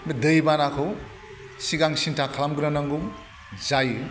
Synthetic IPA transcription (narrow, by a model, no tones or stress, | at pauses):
medɯjbanakʰɯw | siɡaŋsintʰakʰlamɡɯnanaŋɡum | zajɯ